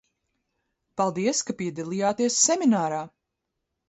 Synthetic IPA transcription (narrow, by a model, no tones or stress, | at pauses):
palˠd̪iɛskapiɛd̪alˠiːjaːt̪iɛsːɛmʲinaːɾaː